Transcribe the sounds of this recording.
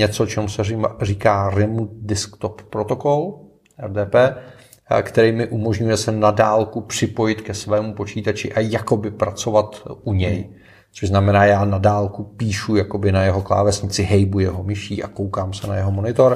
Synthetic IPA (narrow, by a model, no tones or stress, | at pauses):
ɲɛt͡sot͡ʃɛmusɛɪriːkaːɾɪmut̪̚dɪskt̪opːɾo̞t̪o̞ko̞l | ʔɛɾdɛːpɛː | kt̪ɛɾiːmɪʔumo̞ʒɲujɛsɛnadaːlkupr̝̥ɪpo̞jɪt̪kɛsvɛːmupo̞t͡ʃiːt̪at͡ʃɪʔajako̞bɪpɾat͡so̞vat̪ʔuɲɛj | t͡soʒznamɛnaːjaːnadaːlkupiːʃujakobɪnajɛɦo̞kla̰ːvɛsɲɪt͡sɪɦɛjbujɛɦo̞mɪʃiːʔa̰kowkaːmsɛna̰jɛɦomo̞nɪt̪oɾ